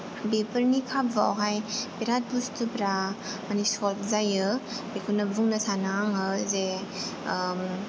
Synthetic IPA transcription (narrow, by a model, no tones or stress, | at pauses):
bepəɾnikʰap̚vawɦajpeɾat̚bustʰupɾa | manisɔlzajɯbekʰunɐbuŋnɐsanaŋɯze